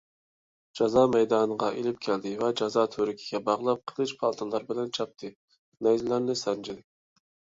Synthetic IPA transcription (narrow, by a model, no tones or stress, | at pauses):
d͡ʒɑzɑːmɛjd̪ɑːnəʁɑʔelɪp̚kʲʰæld̪ɪvɛd͡ʒɑzɑːt̪ʰøɾɪkʲʰi̥ɡʲɛbɑʁlˠɑp̚qʰəlˠɨʃpʰɑlˠt̪ʰɨnlˠɑɾbɪlɛnt͡ʃʰɑp̚t̪ʰɨ | nɛjzlæɾnɪsɛnd͡ʒʰɪd̪ɪk̚ʲ